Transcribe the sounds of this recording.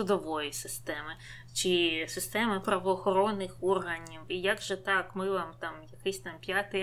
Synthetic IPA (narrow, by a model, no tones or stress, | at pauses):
ʊd̪ɔʋɔjisɪst̪ɛmɪ | t͡ʃɪsɪst̪ɛmɪpɾɐʋɔːxɔɾɔnːɪxɔrɦɐnʲiwijaɡʒɛt̪ɑkmɪʋamt̪ɑmjɐkɪsʲt̪ɑmpʲjat̪ɪ